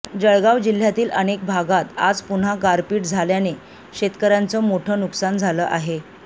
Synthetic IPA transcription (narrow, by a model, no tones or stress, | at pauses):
d͡ʑəɭɡaʋd͡ʑil̤jat̪iːlənek̚bʱaɡat̪a̰d͡zpuɳ̤ɦaɡaɾpiːʈd͡zʱaljane | ɕet̪kəɾjant͡səːmoʈʰəːnuksand͡zʱaləːʔaɦe